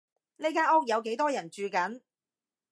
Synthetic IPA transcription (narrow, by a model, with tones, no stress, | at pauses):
ne˥jkaː˧˥ɔː˥k̚jɐ˨˧wke˨˥jt̪ɔː˥jɐ˨˩nt͡ʃyː˨˧kɐ˨˥n